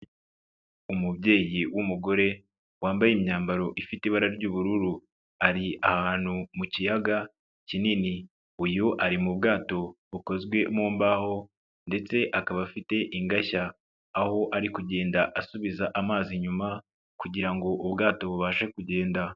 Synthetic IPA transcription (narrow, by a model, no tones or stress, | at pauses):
umubɟe̞ːjiwumuɡo̞ɾe̞ | waːmbajimɲaːmbaɾo̞ʔifitiβaɾaɾɟuːβuɾuɾu | aɾiahaaːn̥humucijaɡa | cinini | ujuʔaɾimubɡaːto̞βuko̞zɡwe̞muːmbaho̞ | nde̞t͡se̞ʔakaβafite̞ʔiŋɡaçaː | ho̞ʔaɾikuɟe̞ːndaʔasuβizaʔamaːziɲuma | kuɟiɾaŋɡo̞ʔubɡaːto̞βuβaːʃe̞kuɟe̞ːnda